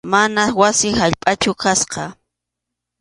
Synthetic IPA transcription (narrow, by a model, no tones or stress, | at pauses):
manawasɪhaʎpʼat͡ʃʊkasqɑ